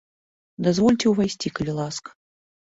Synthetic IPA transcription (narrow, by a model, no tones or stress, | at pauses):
d̪azvɔlʲt͡sʲɛwvajsʲt͡sʲikɐlʲilˠask